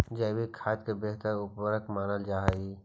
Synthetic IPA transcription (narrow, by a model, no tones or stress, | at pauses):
d͡ʒɛːbikʰaːt̪kebeɦt̪əɾʊpwəɾəkmaːnəld͡ʒaːɦi